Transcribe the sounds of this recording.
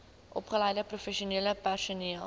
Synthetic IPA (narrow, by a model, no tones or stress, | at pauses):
ʔɔpχəlɛjdəprufɛʃiuniələpærsuniəlˠ